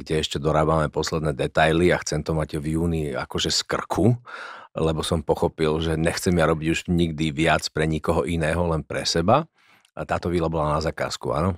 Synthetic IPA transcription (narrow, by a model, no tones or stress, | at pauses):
ɡɟɛɛʃcɛd̪ɔɾaːbamɛpɔslɛd̪nɛd̪ɛt̪ajliaxt͡sɛmt̪ɔmaɟvjuːnia̰kɔʒɛskr̩kʰu | lɛbɔsɔmpɔxɔpilʒɛɲɛxt͡sɛmɪaɾɔbiɟuʒɲiɡd̪iʋɪat͡spɾɛɲikɔɦɔʔinɛːɦɔlɛnpɾɛ̰sɛba | t̪aːt̪ɔʋiːlabɔlanazaka̰ːskṵa̰nɔ